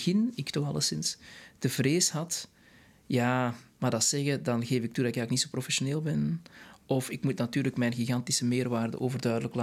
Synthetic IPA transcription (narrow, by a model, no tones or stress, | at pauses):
ɣɪnɪktɔxɑ̰lə̰sɪnstəvreːsɦɑt | jaːmaːdɑsɛɣədɑnɣeːvɪk̚tudɑtɪkɡaːɪknitsoːprofɛsoneːlˠbɛnɔfɪkmutnatyːɾləkmɛjnɣiɣɑntisəmeːrʋaːrdə̰ʔoːvərdœːdələkla